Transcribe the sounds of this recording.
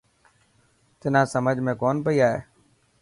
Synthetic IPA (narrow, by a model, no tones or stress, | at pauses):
t̪ɪn̤ãːsəməd͡ʒʱmẽːkoːnpəiaːɦḛː